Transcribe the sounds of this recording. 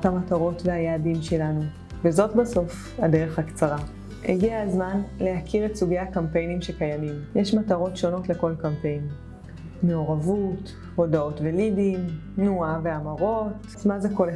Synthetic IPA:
tamataʁo̞tveajaːdimʃe̞lanu | vezo̞tbaso̞f | adeʁeχhakt͡saʁa | hḛɡiazmanlehakʰiʁetsuɡejakampe̞jnimʃekajamimjeʃmataʁo̞tʃo̞no̞tle̞ko̞lkampe̞jnː | e̞oʁavut | ho̞dao̞tvelidim | nuaveamaʁo̞t | zmazekole

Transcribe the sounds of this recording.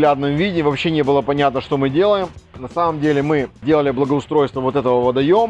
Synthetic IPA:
lʲad̪nɨmvʲidʲɪvɐpɕːenʲe̞bɨlˠəpɐnʲat̪nəʂt̪o̞mɨdʲe̞lˠəjɪmnɐsaməmdʲelʲɪmɨdʲe̞lˠəlʲɪblˠəɡəʊst̪ɾo̞jst̪vəvo̞t̪ɛt̪əvəvɐd̪ɐjom

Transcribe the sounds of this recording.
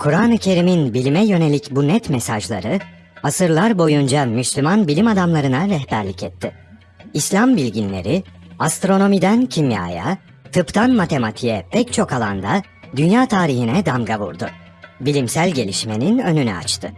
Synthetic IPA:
kʰuɾaːnɯcʰe̞ɾiminbilʲimɛjø̞ne̞lʲicbunɛt̪mɛsaʒlˠa̰ɾɯ | asɯɾlˠaɾbo̞jund͡ʒamyslʲymanbilʲimad̪amlˠaɾɯnaɾɛhbæɾlʲicʰɛt̪ʰːɪ | islʲambilʲɟinlʲe̞̰ɾɪast̪ɾo̞no̞mid̪æncʰimja̰ːja̰ | t̪ʰɯpt̪ʰanmat̪ʰe̞mat̪ʰijɛpʰɛct͡ʃʰo̞kalˠand̪a | d̪ynjaːt̪ʰaːɾiɦinɛd̪amɡaβṵɾd̪ʊ | bilʲimsælʲɟe̞lʲiʃme̞ninø̞nynɛ̰a̰t͡ʃt̪ʰɯ

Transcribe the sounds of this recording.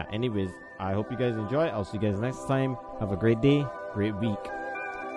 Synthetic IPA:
ʔɛ̰niweɪz | ʔaɪhopjɨɡaɪzɛ̃nd͡ʒɔɪɪtaɪlˠsiɡaɪznɛkstʰãɪ̃m | həvəɡɹeɪt̚d̥eɡ̥ɹet̚wik

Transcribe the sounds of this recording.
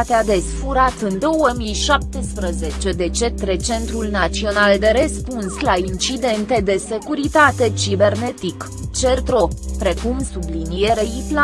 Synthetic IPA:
t̪ead̪e̞sfuɾat̪ɨnd̪o̞wəmijʃap̚t̪espɾəze̞t͡ʃe̞d̪e̞t͡ʃe̞t̪ɾe̞t͡ʃe̞nt̪ɾulnat͡ʃio̞nald̪e̞ɾe̞spunslaint͡ʃid̪e̞nt̪e̞d̪e̞se̞kuɾit̪at̪e̞t͡ʃibe̞rne̞t̪ik | t͡ʃe̞rt̪ɾo̞pɾe̞kumsublinije̞ɾeipla

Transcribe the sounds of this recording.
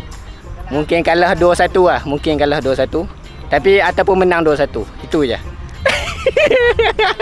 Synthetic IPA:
muŋkɪnkaləhduəsat̪ulahmuŋkɪnkaləhduasat̪u | t̪apiat̪awpʊnmənaŋduasat̪u | it̪ud͡ʒa̰h

